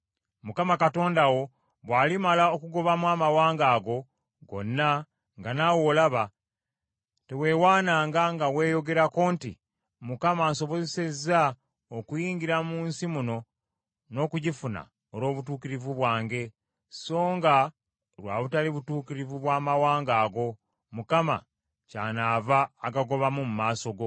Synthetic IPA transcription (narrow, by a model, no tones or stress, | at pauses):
mukamakato̞ːndawo̞ | βwaːlimalaokuɡo̞βamwaːmawaːŋɡaːɡo̞ | ɡo̞̰nːa | ŋɡanawo̞ːlaβa | te̞we̞ːwaːnaːŋɡaŋɡawe̞ːjo̞ɡe̞ɾakoːntḭ | mukamaːnso̞βo̞zese̞zːa | okujiːɲɡiɾamuːnsimuno̞ | no̞ːkuɟifuna̰ | olo̞ːβutuːkiɾivuβwaːŋɡe̞ | so̞ːŋɡa | ɾwa̰ːβutaliβutuːkiɾivuβwaːmawaːŋɡaːɡo̞ | mukama̰ | caːnaːvaːɡaɡo̞βamumumaːso̞ɡo̞